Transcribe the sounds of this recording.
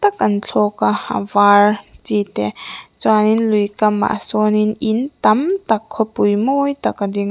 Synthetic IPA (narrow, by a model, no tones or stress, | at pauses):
tɐkɐnɬʰɔkaa̰baɾtitet͡ʃaninlujkɐma̰ʔsɔninintɐmtɐkʰːɔpujmojtɐkadiŋ